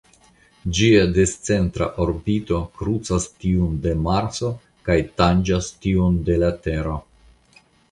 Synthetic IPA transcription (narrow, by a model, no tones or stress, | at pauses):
d͡ʒiadest͡se̞ntɾa̰ʔoɾbito̞kɾut͡sastiunde̞maɾso̞ | kajtand͡ʒastionde̞late̞ɾo̞